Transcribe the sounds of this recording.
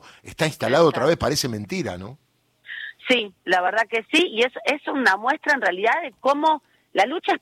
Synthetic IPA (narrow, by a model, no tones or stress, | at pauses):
ḛst̪aĩnst̪alaðoot̪ɾaβehpaɾese̞mẽ̞nt̪iɾa̰nõ̞ | silaβeɾð̞ake̞siiesesunamwe̞st̪ɾaenrealiðaðeko̞mo̞ | lalut͡ʃaes